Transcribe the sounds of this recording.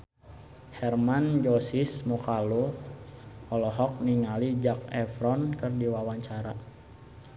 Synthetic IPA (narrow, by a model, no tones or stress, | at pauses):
hɛrmand͡ʒɔsismɔkalu | ɔlɔɦɔk̚niŋalid͡ʒak̚ɛfɾɔnkərdiwawaɲt͡ʃaɾa